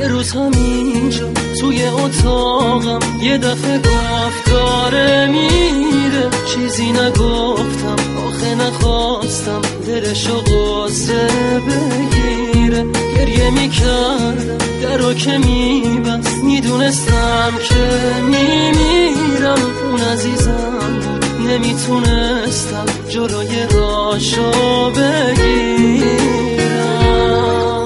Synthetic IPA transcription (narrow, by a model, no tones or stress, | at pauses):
jeɾuːzhæmind͡ʒɔsujeot̪ʰɔʁamje̞d̪æfe̞ɡofd̪ɔɾemiɾet͡ʃʰiːzinæɡoft̪ʰæm | ɔːxenæχɔst̪æmd̪eɾeʃoɣɔ | sebeɡi | ɾeɟe̞ɾjemicʰæɾd̪ | d̪æɾokʰemibæsmid̪uːne̞st̪æmkʰe̞mimiɾæm | unæziːzæ | m | ne̞mit̪ʰune̞ | st̪æm | d͡ʒolojeɾɔ | ʃobe̞ɡi | ɾæ